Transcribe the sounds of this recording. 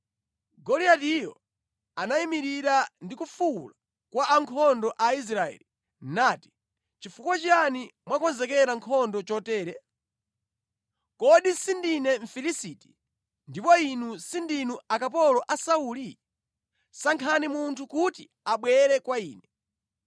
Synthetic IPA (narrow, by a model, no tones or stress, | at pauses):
ɡɔliatijɔ̰ | anaimiɾiɾandikufula | kwaʔːŋkʰɔndɔʔais̬ɾaɛ̰ːli | naːti̥ | t͡ʃifukwat͡ʃanimwakɔnzɛkɛɾaŋkʰɔndɔt͡ʃɔtɛːɾɛ | kɔɗisindinɛɱ̩filisiːti̥ | ndipɔinusindinuakap̬ɔlɔʔasauːli | saŋkʰanimuntʰukuti | aɓwɛɾɛkwaiːnɛ